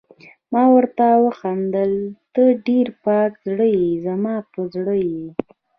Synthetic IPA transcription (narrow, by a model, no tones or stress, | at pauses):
mɑwəɾt̪awəxand̪əlt̪əɖeɾpɑkzɽəjizamɑpəzɽəji